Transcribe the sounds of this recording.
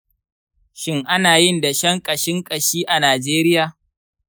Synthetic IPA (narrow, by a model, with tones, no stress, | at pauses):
ʃɪ˦ŋʔa˦naː˨jɪ˦˨nda˨ʃɐ˦ŋkʼɐ˨ʃɪ˦ŋkʼɐ˨ʃiː˦ʔa˨naː˨d͡ʒeː˦ɾɪ˦jaː˨